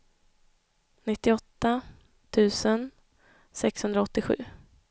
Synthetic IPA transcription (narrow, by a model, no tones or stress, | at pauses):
nɪt̪ːɪɔt̪ːa | t̪ʰʉ̟ːsən | sɛkshɵnd̪ɾaɔt̪ːɪɧʉ̟̰ː